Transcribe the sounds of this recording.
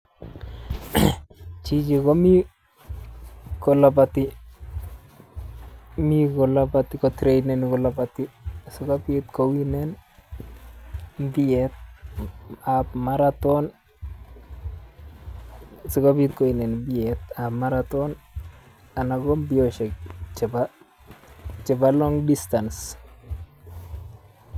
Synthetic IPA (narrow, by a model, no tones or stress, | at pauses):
t͡ʃid͡ʒikɔmi | kɔlabati | mikɔlabatikɔtɾejnɛnikɔlabatisʊkapːt̪kowinɛn | biɛt̪̚ | apmaɾat̪ɔn | sukabit̪kowinɛnbiɛt̪amaɾat̪ɔn | anaɡɔmbioʃɛk̚t͡ʃɛba | t͡ʃɛbalɔŋdistans